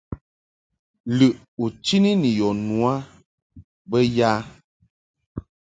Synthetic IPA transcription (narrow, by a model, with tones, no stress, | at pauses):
lɨ˨ | u˨t͡ʃi˦ni˦ni˨jɔ˨nu˨a˦ | bə˦ja˦